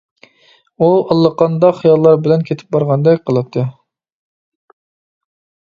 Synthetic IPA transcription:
uɑlˠːəqɑnd̪ɑχijɑlˠːɑɾbɪlɛnkʲʰet̪ʰɪ̥p̚bɑɾʁɑnd̪ɛkʲqʰəlˠɨt̪ʰːɨ

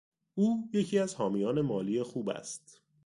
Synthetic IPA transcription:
ʔuːje̞cʰiːæzhɒːmijɒːne̞mɒːliːe̞xuːbæ̰st̪

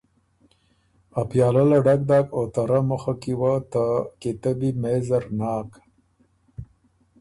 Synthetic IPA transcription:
apjɑːlalaɖak̚d̪ɑːkot̪aɾaməxakiwat̪aket̪abimezaɾnɑːk

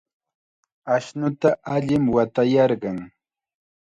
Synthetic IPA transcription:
aʃnʊt̪aʔaʎɪmwat̪ajɑɾɢɑŋ

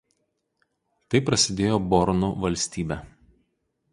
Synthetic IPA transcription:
t̪ɐɪpɾɐsʲɪd̪ʲeːjoːbɔɾnṵʋɐlʲsʲt̪ʲiːbʲɛ

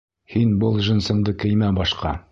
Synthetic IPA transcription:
hinbɤlˠʒɘ̆nsɤ̆ɴd̪ɤkɘ̆jmæbɒʃqɑ

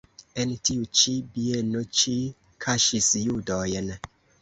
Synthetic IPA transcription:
entiut͡ʃibienot͡ʃi | kʰaʃisjudɔjɛn

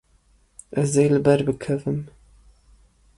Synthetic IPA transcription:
əzejlɨbɐrbɨkʰɐvɨm

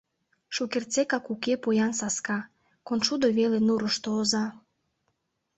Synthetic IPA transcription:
ʃukert͡sekɑkukepojɑnsɑskɑ | konʃud̪oβelenuɾəʃt̪oːzɑ

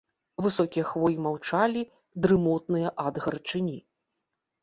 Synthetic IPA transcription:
vɨsɔkʲijɛɐxvɔjʲimawt͡ʂalʲi | d̪ɾɨmɔt̪nɨjɐʔad̪ɣɐrt͡ʂɨnʲi

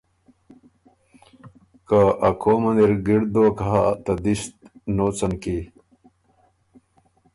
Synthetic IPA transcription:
kaʔɐkʰoːmɐnd̪iɾɡiɽd̪oːkaɦat̪ɐd̪ist̪̚noːt͡sɐnki

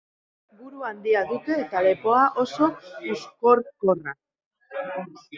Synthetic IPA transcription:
ɡuɾuand̪iaðut̪e̞ːt̪ale̞po̞aʔo̞so̞usko̞ɾko̞ra

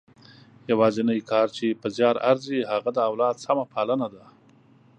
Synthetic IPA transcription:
jawɑzɪnəjkɑɾt͡ʃepəzjɑɾaɾziɦaɣad̪əawlɑd̪samapʰɑlənad̪a

